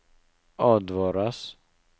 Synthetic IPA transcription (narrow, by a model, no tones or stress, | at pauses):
ʔɑːd̪vɑːɾas